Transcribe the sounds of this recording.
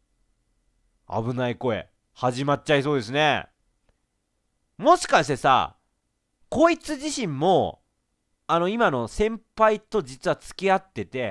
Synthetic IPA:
a̰bɯ̟naiko̞e̞̰ | haʑimat͡ɕːais̬o̞ːd̪e̞s̬ɨne̞ | mo̞ɕi̥kaɕit̪esa̰ | ko̞ːit͡sɨʑiɕĩmːo̞ | ano̞imano̞sẽ̞mpait̪o̞d͡ʑit͡sɨβat͡sɨ̥kʲiat̪ːe̞t̪e̞

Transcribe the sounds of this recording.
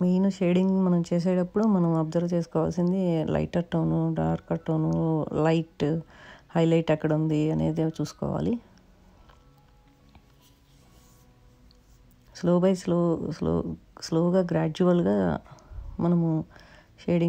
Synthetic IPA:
miːnuʃeːɖiŋɡmɐnɐmt͡ʃeːʃ̬ɛːʈɐpːuɽumɐnɐmuɐb̚d̪ɐɾt͡ʃeːsu̥kɔːʋaːlsind̪ilʔɐ̰jʈɐɾʈːɐːnuɖaːɾkɐʈːɐːnuulɐjʈ | hɐjlɐjʈɐkːɐɽund̪iɐne̞̰ːd̪eːt͡ʃuːsu̥kɔ̰ːʋa̰ːli | sloːbɐjsloso̰sloːɡaːɡɾaːd͡ʒuʋɐlɡaː | mɐnɐmu | ʃeːɖi

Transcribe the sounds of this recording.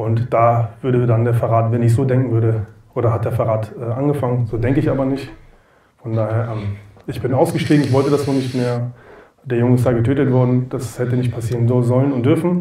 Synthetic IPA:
ʔʊntd̥aːvʏɐɾədandeːɐfɛʁaːtvɛnɪçz̥oːdɛŋkŋ̩vʏɐɾəʔoːɾɐhat̚d̥eːɐfɛɐʁaːtʔɛːʔanɡəfaŋənzoːdɛŋkəɪçʔaːbɐnɪçt | fɔndaːheːɐʔɛmʔɪçb̥ɪnʔaʊsɡ̥əʃtiːɡŋ̩ɪç̬v̥ɔltədasz̥oːnɪçtmeːɐ | d̥eːɐjʊŋəɪstd̥aɡətʰøːtətv̥ɔɐdn̩d̥ashɛtənɪç̬t̚pʰasiːʁənzozɔlənʊntd̥ʏɐfn̩

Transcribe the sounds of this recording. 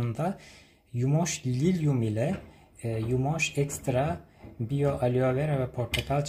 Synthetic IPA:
und̪a | jumoʃlʲilʲjumilʲɛ | jumoʃɛkst̪ɾabijoʔalʲiovɛɾvɛpʰoɾt̪ʰakʰalʲˠt͡ʃ

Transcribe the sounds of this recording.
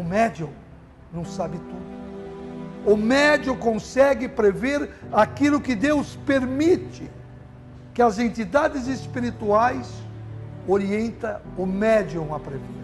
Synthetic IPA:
ʊmɛd͡ʒõ | nɐ̃w̃sabɪt̪ud̪ʊ | ʊmɛd͡ʒokõsɛɡɪpɾeveɾakilʊkɪd̪ewspeɾmit͡ʃɪ | kɪɐzẽnt̪id̪ad̪ɪzespiɾit̪uajs | oɾiẽnt̪ɐʊmɛd͡ʒõw̃ɐpɾevḛ

